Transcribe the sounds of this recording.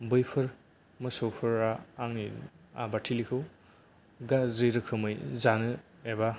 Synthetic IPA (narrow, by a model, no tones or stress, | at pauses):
bɯjpʰɯɾ | mɯsowpʰɯɾaːŋni | a̰batʰilikʰɯw | ɡaziɾɯkʰɯmɯjzanɯ | eba